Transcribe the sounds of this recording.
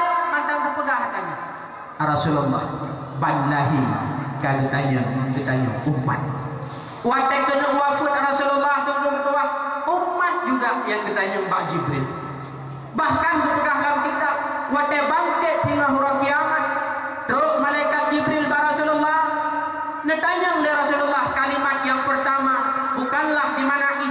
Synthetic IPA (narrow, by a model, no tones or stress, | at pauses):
jmandaŋdəpuɡahataɲəŋ | aɾasulɔlːɑ̰h | banlaɦikaɡətaɲəŋɡətaɲə̰ŋumːa̰t̪̚ | watɛkənəwafunaɾasulalːahkəŋkomətuwahumːat̪̚d͡ʒuɡajaŋɡətaɲəŋbaʔd͡ʒibɾil | bahkankəpəkaɦɡawkit̪awat̪ɛbaŋkəʔt̪iŋaɦuɾɔŋkiamat̪̚ | dɾoʔ̚malajkat̪̚d͡ʒibɾɪlbarasulɔlːah | nət̪aɲaŋləɾasulɔlːahkalimat̪̚jaŋpərt̪ama | bukanlahdimanaʔi